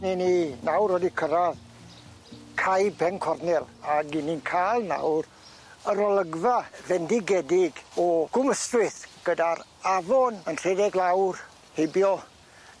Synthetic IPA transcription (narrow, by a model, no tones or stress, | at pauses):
nininawɾɔdikʰəɾað | kʰajpʰɛnkʰɔrnɪlˠaɡininkʰaːlˠna̰wr | əɾɔlˠəɡvavɛndɪɡɛdɪɡɔɡ̥ʊməstrɪθɡ̥ədaɾavɔnənr̥ɛdɛɡlˠawr | hebjɔ